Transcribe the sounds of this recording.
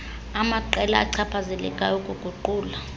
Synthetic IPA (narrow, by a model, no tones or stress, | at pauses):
amaǃɛla̰ːǀʰapʰazɛlɛ̰kʼajokʼuɡ̥ʱuǃuːla